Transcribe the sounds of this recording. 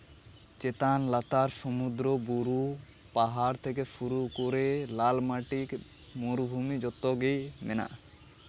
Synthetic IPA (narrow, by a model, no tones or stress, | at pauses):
t͡ʃet̪anlat̪aɾsɔmud̪ɾɔbuɾu | paɦaɾt̪ʰek̬efuɾukoɾelalmaʈik | muɾbʱumid͡ʒɔt̪ːɔɡejmena̰ʔ